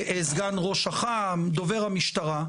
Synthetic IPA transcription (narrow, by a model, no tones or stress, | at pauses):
ʔezɡanʁo̞ʃaχamd̪o̞ve̞ʁhamiʃt̪aʁa